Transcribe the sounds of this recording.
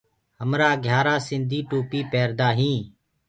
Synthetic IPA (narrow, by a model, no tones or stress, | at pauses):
həmɾaːɡʱjaːɾaːsɪ̃nd̪ʱiːʈuːpiːpeːɾd̪aːɦĩː